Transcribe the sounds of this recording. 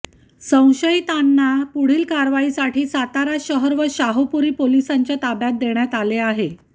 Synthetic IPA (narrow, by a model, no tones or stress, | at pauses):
sə̃w̃ɕəjt̪anːapuɽ̤iːlkaɾʋaisaʈʰiːsat̪aɾaɕəɦəɾʋəɕaɦupuɾiːpolisaɲt͡ɕjat̪abjat̪̚d̪eɳjat̪aleaɦe